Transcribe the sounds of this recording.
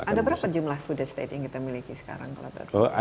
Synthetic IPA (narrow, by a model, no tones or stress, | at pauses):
adabəɾapad͡ʒumlahfudɛdst̪ḛt̪̚jaŋkit̪amilikisə̥ka̰ɾa̰ŋka̰lo̰t̪a̰t̪oa